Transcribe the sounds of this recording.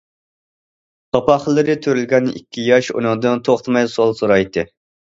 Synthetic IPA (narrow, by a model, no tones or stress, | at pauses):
ɑpɑχlˠːɨɾɪt̪ʰøɾylɡʲɛnḭkʲːijɑʃṵnɨŋd̪ɨnt̪ʰoχt̪mɑjsolˠsuɾɑjt̪ʰɨ